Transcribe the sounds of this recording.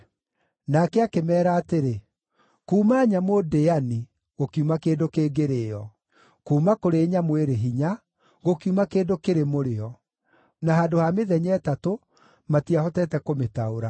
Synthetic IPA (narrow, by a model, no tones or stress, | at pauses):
nakɛakemɛːɾaːteɾe | kuːmaːɲamodeani | ɣokiumakeːdokeːɡeɾeːɔ | kuːmakoɾeːɲamweɾeɦiɲa | ɣokiumakeːdokeɾemoɾeɔ | naɦaːdohameðɛɲɛːtato | matiahɔtɛtɛkometaoɾa